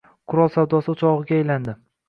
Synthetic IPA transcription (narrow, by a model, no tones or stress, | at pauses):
qʰʊɾɒlˠsawd̪ɒsɪʊt͡ʃʰɒʁɨɡʲaːjland̪ɪ